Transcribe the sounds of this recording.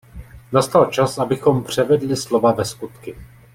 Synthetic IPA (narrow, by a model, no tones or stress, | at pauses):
nast̪alt͡ʃasʔabɪxo̞mpr̝̥ɛvɛdlɪslovavɛskut̪kɪ